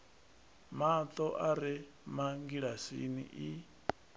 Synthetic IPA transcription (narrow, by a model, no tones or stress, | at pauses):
mat̪ʼɔʔaɾi | maŋɡiɺasḭnḭʔi